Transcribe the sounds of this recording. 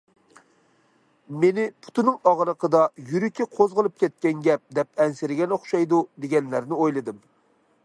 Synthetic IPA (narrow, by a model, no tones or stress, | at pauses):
menɪpʰu̥t̪unɨŋɑʁɾəqʰəd̪ɑjyɾykʲʰːɪqʰozʁəlˠɨp̚kʲɛt̪̚kʲɛnɡʲɛp̚d̪ɛp̚ɛnsɪɾɪɡʲɛnoχʃɑjd̪ud̪eɡʲɛnlæɾnɪojlˠɨd̪ɨm